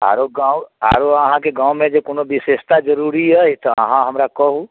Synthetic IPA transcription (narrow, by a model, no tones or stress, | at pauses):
a̰ːɾoɡãwa̰ːɾoəɦãkeɡãːwmẽd͡ʒekonobɪseʃt̪ad͡ʒəɾuɾiəit̪ɔə̰ɦãɦəmɾakɔɦu